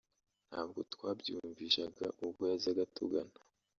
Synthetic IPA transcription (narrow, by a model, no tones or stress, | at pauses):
n̥haːb̚ɡo̞twaːbjuːɱviʃaɡaʔubɡojazaɡatṵɡana